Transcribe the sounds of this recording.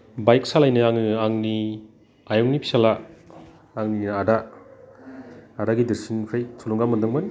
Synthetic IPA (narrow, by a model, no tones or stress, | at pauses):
bajk̚salajnɯaŋɯaŋni | ajɔŋnipʰi̥salaː | ŋniada | daɡidiɾsinkʰajsʰuluŋɡamɐndɯŋmɐn